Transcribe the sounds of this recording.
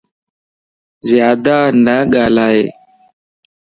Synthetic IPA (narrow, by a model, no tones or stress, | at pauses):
zjaːd̪aːnəːɠaːlaːeː